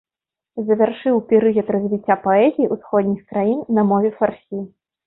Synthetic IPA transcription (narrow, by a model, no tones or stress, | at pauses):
zɐvʲarʂɨwpʲɛɾɨɣʲɐt̪rɐzʲvʲit͡sʲːapɔɛzʲiiusxɔd̪ʲnʲixkɾajinnɐmɔvʲɛfarsʲi